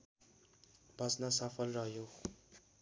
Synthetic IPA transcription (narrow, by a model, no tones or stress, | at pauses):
bʱʌsnasʌpʰʌlrʌɦjo